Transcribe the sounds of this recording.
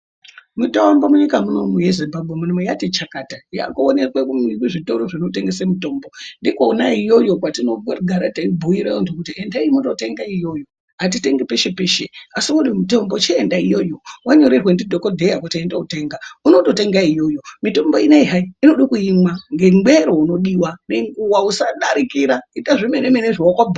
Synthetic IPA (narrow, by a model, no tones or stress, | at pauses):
mutoambamuɲikamunomuje̞zimbabʱwemunomjatet͡ʃakataja̰kuonekwekuikiʐitoɾoʐinoteŋɡesemito̞mbo̞ndikonaijo̞jo̞kwatino̞ɡʱaɾataibʱuiɾajontokutiendaimuto̞te̞ŋɡaijo̞jo̞ | ɦat̬ite̞ŋɡepe̞ʃe̞peʃeasikuɗimito̞mbo̞t͡ʃeːndaijo̞jo̞waɲo̞ɾirwendidʱo̞ko̞dʱe̞jakwataendaute̞ŋɡaunoto̞te̞ŋɡaijo̞jo̞mito̞mboineiɦaiino̞ɗikuimwaŋɡe̞ŋɡweɾo̞uno̞ɗiwaneŋɡuwausaɗaɾikiɾaitaʐimenemeneʐiokabʱ